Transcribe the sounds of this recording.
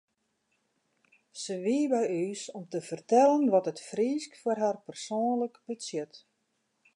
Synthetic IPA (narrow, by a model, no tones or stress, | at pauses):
səʋiəbɛjyːsɔmtəfərtɛlənʋɔtətfriːskfarɦarpərsoːnləkbəsjɪt